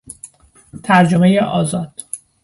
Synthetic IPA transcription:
t̪ʰæɾd͡ʒomejeʔɒːzɒːd̪̥

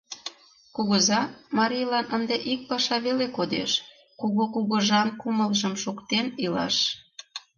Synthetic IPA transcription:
kuɣəzɑmɑɾʲijlɑnʔənd̪eʔik̚pɑʃɑβelekod̪ḛʃ | kuɣokuɣəʒɑnkuməlʒəmʃukt̪enilɑ̰ʃ

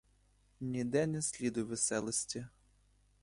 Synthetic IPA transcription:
nʲid̪ɛnesʲlʲid̪ʊjʋesɛlˠɔsʲtʲi

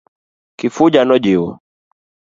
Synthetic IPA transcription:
kifud͡ʒanɔd͡ʒiwɔ

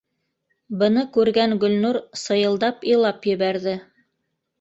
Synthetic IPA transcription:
bɤ̆nɤkʉɾɡæŋɡɵ̆lnuɾsɤ̆jɤ̆lˠd̪ɑpilˠɑpjɘ̆βæɾðɘ

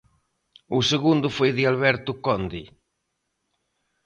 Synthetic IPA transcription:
ʊseɣund̪ʊfojðɪalβɛɾt̪ʊkɔnd̪i

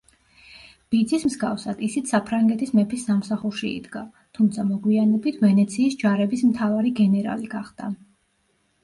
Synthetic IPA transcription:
b̥id̪zismzɡafsad̪̥isit̪ssapʰɾaŋɡɛt̪ʰismɛpʰisːamsaχuɾʃiḭd̪ɡa | t̪ʰumt̪sʰamɔɡwianɛbit̪ʰvɛnɛt̪sʰiːsd͡ʒaɾɛbismt̪ʰavaɾiɡɛnɛɾa̰liɡaχd̪̥a̰

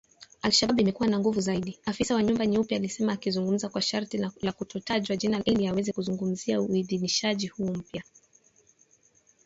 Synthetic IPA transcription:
alʃaɓiimɛkuwanaŋɡuvuzaiɗiafisawaɲumbaniupjaːlisɛmaːkizuŋɡum̩zakwaʃaɾtilakutɔtaʄwaʄinalʔiliawɛzɛkuzuŋɡum̩ziauiðiniʃaʄihuːm̩pja

